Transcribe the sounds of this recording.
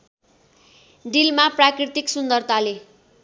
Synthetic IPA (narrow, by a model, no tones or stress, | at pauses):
ɖilmaprakrit̪iksund̪ʌrt̪ale